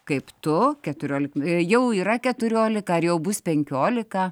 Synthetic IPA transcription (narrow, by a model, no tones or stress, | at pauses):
kɐɪpt̪ʊkʲɛt̪ʊɾʲoːlʲɪkjɛʊiːɾɐkʲɛt̪ʊɾʲoːlʲɪkɐɐrjɛʊbʊspʲɛŋʲkʲoːlʲɪkɐ